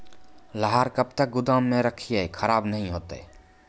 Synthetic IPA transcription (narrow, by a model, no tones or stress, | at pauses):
ləɦaːɾkəbt̪ək̚ɡʊd̪aːmːẽɾəkʰiekʰəɾaːbnəɦĩɦoːt̪e